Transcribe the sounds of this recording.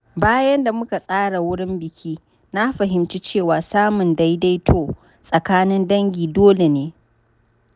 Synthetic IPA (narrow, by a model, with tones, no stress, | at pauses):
baː˦jɐ˦nda˨mʊ˦ka˨sʼaː˦ɽa˨wʊ˦ɽɪ˦mbɪ˨kʲʰiː˦ | na˦ɸɐ˨ɦɪ˨mt͡ʃi˦t͡ʃeː˦˨waː˨saː˦mʊ˨nda˦jda˦jtʰoː˦ | sʼɐ˨kaː˦nɪ˦ndɐ˦ŋɡʲiː˨doː˦le˨neː˨˦